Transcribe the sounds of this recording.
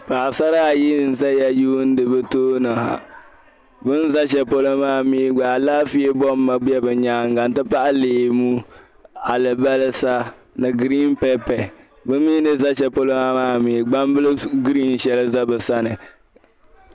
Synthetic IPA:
pa˨ʔa˨sa˦ɾa˦a˨ji˦n̩˨za˦ja˦juː˦n̩˦dɨ˨bɨ˦toː˦nɨ˨ha̰˨ | bɨ˦n˦za˦ʃ̬ɛ˨po˦lo˦maː˦miː˦ɡ͡ba˨laː˦fi˦e˦bɔ˦mː˦a˨ɡ͡bi˦ɛ˦bɨ˨ɲaː˦ŋ˦ɡa˨n˦tɨ˦pa˦ʔa˦leː˨mu˦ | a˨lɨ˨ba˦lɨ˦sa˦ | nɨ˨ɡɾi˦npɛ˦pɛ˨ | bɨ˦miː˦nɨ˦za˦ʃɛ˨po˦lo˦ma˦maː˦miː˨˦ɡ͡ba˦m˦bɨ˦lɨ˦ɡɾi˦n˨ʃɛ˨lɨ˦za˦bɨ˨sa˦nɨ˨

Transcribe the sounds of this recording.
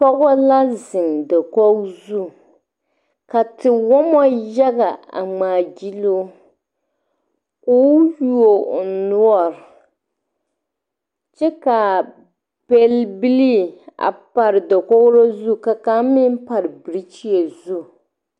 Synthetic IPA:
pɔ˦ɣɔ˦la˦zɪ˨ndɛ˨kɔ˦ɡzu˦ | ka˨tɪ˨wɔ˦mɔ˦jɛ˦ɣa˨a̰˨ŋ͡maː˨d͡ʒi˦lo˦ | o˦ju˦o˨nʊ˦ɔ˦˨ɾɪ˨ | t͡ʃɛ˦ka˨ | b̥ɛ˦lbi˦li˦a̰˨pa˨ɾɨ˨dɔ˨kɔ˦ɡɾo˦zu˦ka˨ka˦mɪ˦n˦pa˨ɾɨ˨bɨ˨ɾi˦t͡ʃi˦e˨zu˦

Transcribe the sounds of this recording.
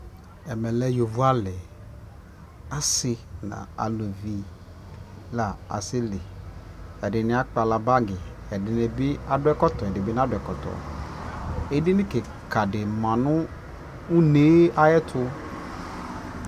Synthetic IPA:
ɛ˨mɛ̃˨lɛ˦jo˨vu˦a˦lɪ˨ | a˦sɪ˦nã̰˨a̰˨lo˨vi˨ | la˨a̰˨sɪ˦lɪ˨ | ɛ˨dɪ˨nɪ̃˨˦a˦k͡pa˨la˨ba˦ɡɪ˨ɛ˨dɪ˨nɪ˨bɪ˦a˨dʊ˦ɛ˦kɔ˦t̪ɔ˨ɛ˨dɪ˨bɪ˦n˦a˦dʊ˨ɛ˨kɔ˨t̪ɔ̰˨ | e˦dɪ˦nɪ̃˦ke˨ | kʰa˨dɪ˨mã˨nʊ̃˦ | u˦ne˦a˦jɛ˦t̪ʰʊ˦

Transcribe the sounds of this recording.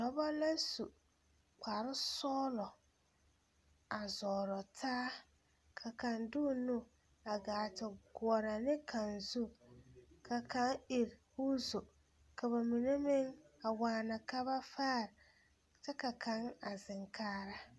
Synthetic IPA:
dɔ˨˦ba˦lã˦su˨ | kʰʷa˨ɾɪ˦sɔː˦lɔ˨ | a˨zɔː˨ɾɔ˨tʰaː˦ | kʰa˨kʰã˨ndʊ˦˨nũ˦ | a˨ɡaː˨tʰɪ˨ɡʊ˨ɔ˨ɾa˨nɪ̃˦kʰã˨nzu˦ | kʰa˨kʰã˦ni˨ɾhu˦zo˨ | kʰa˨ba˨mĩ˨ne˦mɪ̃˦ŋa˨waː˨nã˨ka˦ba˦faː˦˨ɾ | tɪ˦ka˨kʰã˦ŋa˨zɪ̃˨ŋkʰaː˦ɾa˦

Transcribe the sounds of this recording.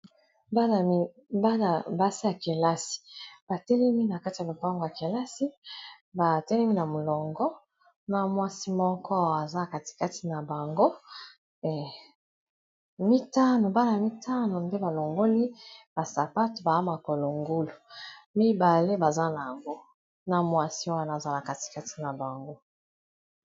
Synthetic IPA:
ba˦na˨˦ | ba˦na˨ba˦si˦ja˨ke˨la˦si̥˨b̥a˨tɛ˦lɛ˦mi˦na˨ka˦ti˨ja˨o˨pa˦ŋɡo˨ja˨ke˨la˦si˦ | ba˨tɛ˦lɛ˦mi˦na˨mo˨lɔ˨ŋɡɔ˦ | na˦mwa˦si˦mɔ˦kɔ˦wa˨za˦˨ka˨ti̥˨ka˦ti˨na˨ba˨ŋɡo˦ | mɛ˨ | mi˦ta˦no˨ba˦na˨mi˦tʰa˦no˨mbe˦ba˨lo˨ŋɡo˦li˦b̥a˨sa˨pa˦to˨ba˨ja˦ma˨ko˨lo˨ŋɡu˦lo˨mi˦ba˨le˦ba˨za˦na˨ja˨ŋɡo˦ | na˨mwa˦si˦o˦wa˦na˨za˦na˨ka˦ti̥˨ka˦ti̥˦na˨ba˨ŋɡo˦

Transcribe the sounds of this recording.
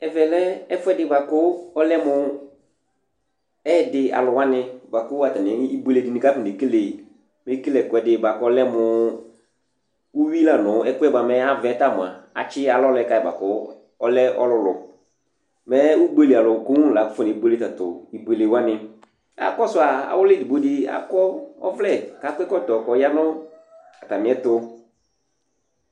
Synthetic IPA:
ɛ˨vɛ˨lɛ˦ɛ˦fʊ˦ɛ˦dɪ˨ba˨kʊ˦ɔ˦lɛ˦mʊ˧ | ɛ˦˨dɪ˨a̰˨lʊ˨wa˦nɪ˧ba˨kʊ˦a˨ta˨nɪ˨˦i˦be˨le˨dɪ˨nɪ̃˦ka˦fɪ˦˨ne˨ke˦le˨ | me˦ke˦lɛ˨kʊ˨ɛ˨dɪ˦ba˨kɔ˦lɛ˦mʊ˨ | u˦wi˦la˨nʊ˨˦ɛ˦kʊ˦ɛ˦ba˨mɛ˦a˦vɛ˨˦ta˦˨mʊ˨a̰˨a˨t͡ʃɪ˦a˨lɔ˦lɛ˨˦˨ka˨˦ɛ˨ba̰˨kʊ˦ | ɔ˦lɛ˦ɔ̰˦lʊ˦lʊ˨ | mɛ˦wu˦ɡ͡be˦le˨a˨lʊ˨ku˦ũ˦˨la˨kʊ˦fɔ˦ne˨˦ɡ͡be˦le˦ta˨tʊ˨i˨be˨le˨wa˦nɪ˨ | a̰˨kɔ˦sʊ˨˦a˨a̰˨wʊ˦lɪ˦dɪ˨bo˦di˦a̰˨kɔ˦ɔ̰˦vlɛ˦˨ka˨˦kɛ˦kɔ˦˨tɔ˨kɔ˨˦ja˦nʊ̃˦ | a˨ta˨mɪ̃˨˦ɛ˦tʊ˦

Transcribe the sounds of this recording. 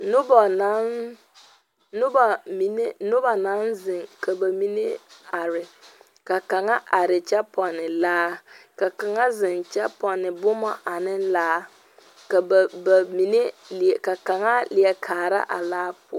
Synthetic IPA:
nʊ˦bɔ˨na˨˦n | nʊ˦ba˨mi˨ne˦nʊ˦ba˨na˨˦nzɪ˨ŋkʰa˨ba˨mi˦ne˦a˨ɾɪ˨ | ka˨ka˨ŋa˦ʔa˨ɾɪ˨t͡ʃɛ˦pʰɔ˨nɪ˨laː˦ka˨ka˨ŋa˦zɪ˨nt͡ʃɛ˦pɔ˨nɪ˨bʊ˦mɔ˦ʔa˨nɪ˦nlaː˦ | ka˨ba˨mi˨ne˦lɪ˨ka˨ka˨ŋa˦lɪ˨ɛ˨kʰaː˨ɾa̰˦ʔa̰˨laː˦pʊ˨˦

